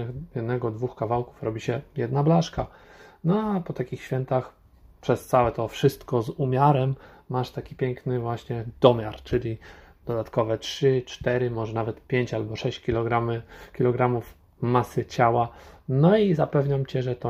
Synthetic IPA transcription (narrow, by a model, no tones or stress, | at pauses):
xjɛd̪nɛɡɔd̪vuxkavawku̥fɾɔbʲiɕɛjɛd̪nablaʂkanɔapɔt̪akʲixɕfʲjɛnt̪ax | pʂɛst̪sawɛt̪ɔfʂɘst̪kɔzumʲjaɾɛmː | aʂt̪akʲipʲjɛŋknɘvwaɕɲɛd̪̥ɔmʲjaɾt͡ʂɘlʲid̪̥ɔd̪at̪kɔvɛtʂɘt͡ʂt̪ɛɾɘmɔʐɛnavɛt̪pʲjeɲt͡ɕalbɔʂɛɕt͡ɕkʲilɔɡɾamɘkʲilɔɡɾamuf | masɘt͡ɕawanɔizapɛvɲamt͡ɕɛʐɛt̪ɔ